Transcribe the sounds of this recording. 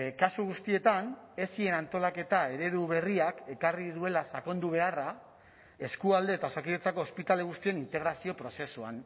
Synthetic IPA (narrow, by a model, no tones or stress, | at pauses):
kasuɣ̞ust̪ie̞t̪ane̞sie̞nant̪o̞lake̞t̪ae̞ɾe̞ɾuβ̞e̞riake̞kariðue̞lasako̞nd̪uβ̞e̞ara | e̞skuald̪e̞ːt̪aosakiðet͡sako̞ːspit̪aleɣ̞ust̪ie̞nint̪e̞ɣɾasio̞pɾo̞se̞suan